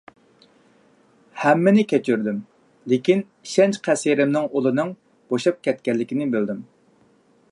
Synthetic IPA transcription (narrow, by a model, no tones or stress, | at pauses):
hɛmːɪnɪkʲɛt͡ʃʰyɾd̪ym | lɪkʲin | iʃɛnt͡ʃqʰɛsiɾɪmnɪŋolˠɨnɨŋ | b̥oʃɑp̚kʲɛt̪̚kʲɛlːɪkʲinɪbøld̪ym